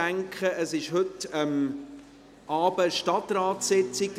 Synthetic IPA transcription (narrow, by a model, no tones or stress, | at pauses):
æŋkχəʔəsɪʃɦʏtəm | ʔɑːbəʃtɑtrɑːtsɛt͡sɪk̚t